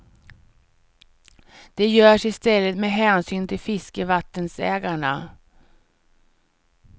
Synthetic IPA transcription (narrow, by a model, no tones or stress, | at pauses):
d̪̥ɛjœːʂɪst̪ɛlːət̪meːɦɛːnsyːnt̪ʰɪlfɪskəvat̪ːənsɛːɡaɳa